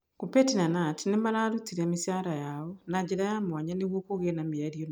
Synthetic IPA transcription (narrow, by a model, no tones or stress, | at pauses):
kupetinanatinemaɾaɾutiɾɛmisaɾajaɔnaɲd͡ʑeɾajamwaɲaneɣwokoɣenamiaɾion